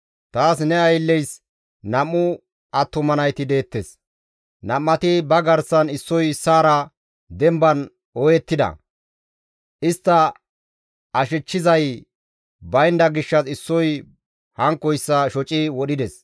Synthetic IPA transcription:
t̪aːs̬nɛɐjlːɛjs | nɐmːʊ | ɐt̪ːʊmɐnɐjt̪ɪd̪e̞ːt̪ːes | nɐmːɐt̪ɪbɐɡɐɾsɐnɪsːɔjsaːɾɐ | d̪ɛmbɐn | ɔjɛt̪ːɪd̪ɐ̰ | ʔɪst̪ːɐ | ɐʃɪt͡ʃːɪzɐj | bɐjnd̪ɐɡɪʃːɐsɪsːɔj | hɐŋkːɔjsːɐʃɔt͡ʃʼɪwɔɗɪd̪ɛs

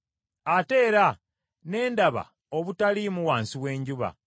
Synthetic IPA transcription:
ate̞ːɾa | ne̞ːndaβa̰ | oβutalimuwaːnsiwe̞ːɲɟuβa̰

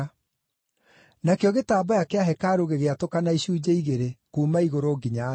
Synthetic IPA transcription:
nakeɔɣetaːbajakeaɦɛkaːɾoɣeɣeatokanaiɕuːd͡ʑaiɣeɾekuːmaiɣoɾoɡiɲa

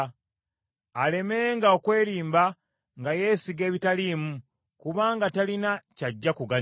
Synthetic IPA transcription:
ale̞me̞ːŋɡaokwe̞ːɾiːmba | ŋɡaje̞ːsiɡe̞ːβitaliːmu | kuβaːŋɡatalinacaɟːakuɡa

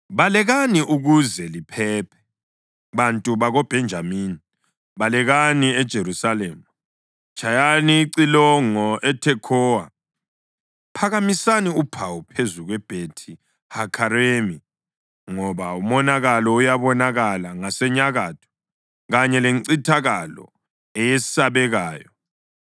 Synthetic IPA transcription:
βalɛɣaniʔuɣuzɛlipʰɛːpʰɛ̥ | βantʼuβaɣɔb̥ʱɛnd͡ʒʱamiːni | βalɛɣaniɛd̥ʒ̥ʱeɾusalɛːma | t͡ʃʰʼajaniːǀilɔŋɔʔɛtʰɛkʰɔwa | pʰaɣamisaniupʰawupʰezuɣwɛb̥ʱetʰi | hakʰaɾemi | ŋɔβaumɔnaɣalɔujaβɔnaɣalaŋasɛɲaɣatʰɔ̥ | ɣaɲɛleŋǀitʰaɣalɔ̰ | ɛjɛsaβɛɣaːjɔ

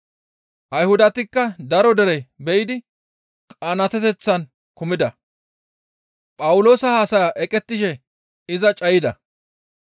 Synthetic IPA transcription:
ʔɐjhʊd̪ɐt̪ɪkːɐd̪ɐɾɔd̪ɛɾɛbɛjɪd̪ɪ | kʼanɐt̪ɛt̪ɛt͡sːɐn | kʊmɪd̪ɐ | pʼɐwʊlo̞ːsɐhaːsɐjaʔɛkʼɛt̪ːɪʃɛ | ɪzɐt͡ʃʼɐjɪd̪ɐ̰

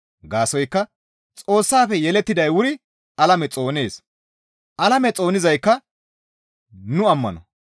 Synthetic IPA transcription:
ɡaːsɔjkːɐ | t͡sʼo̞ːsːaːfɛjɛlɛt̪ːɪd̪ɐjwʊɾɪ | ʔɐlɐmɛt͡sʼo̞ːne̞ːs | ʔɐlɐmɛt͡sʼo̞ːnɪzɐjkːɐ | nʊɐmːɐ̰nɔ̰

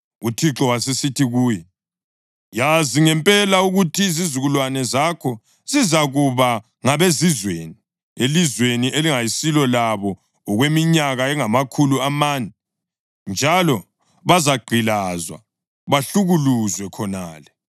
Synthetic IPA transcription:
utʰiǁɔwas̬esitʰiɣuːjɛ | jaziŋɛmpʼɛlauɣutʰizizuɣulwanɛzakʰɔ | zizaɣuβa | ŋaβezizweni | elizweniʔeliŋajisilɔlaβɔː | ɣwemiɲaɣaɛŋamakʰuluamaːnɛ | nd͡ʒʱalɔ | βazaɡ͡ǃʱilazwa̰ | βaɬuɣuluzwɛkʰɔnaːlɛ

